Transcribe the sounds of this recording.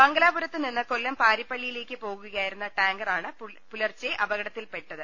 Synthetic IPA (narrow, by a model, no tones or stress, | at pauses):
pɐŋɡɐlaːbuɾɐt̪ːɨninːɨkolːɐmpaːɾipːɐɭːijile̞ːkʲːɨpo̞ːɣuɣaːjiɾunːɐʈaːŋɡɐraːɳɨ | pulɐrt͡ɕːeʔɐbɐɣɐɽɐt̪ːilpe̞ʈːɐðɨ